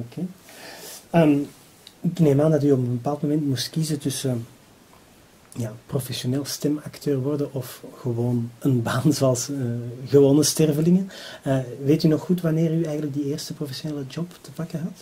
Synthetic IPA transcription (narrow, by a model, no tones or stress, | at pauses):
okʰeː | əm | ɪkneːmaːndɑt̬yɔpənbəpaːlˠtmomɛntmustkizəntʏsə | jaːprofɛsjoneːlˠstɛmɑktʰøːrʋɔrdəʔɔfɣəʋoːnənbaːnzoɑlˠsəɣəʋoːnəstɛrvəlɪŋənəʋeːtynɔxxutʋɑneːryɛjɣənlək̚dieːrstəprofɛsjoneːləd͡ʒɔptəpɑkəɦɑt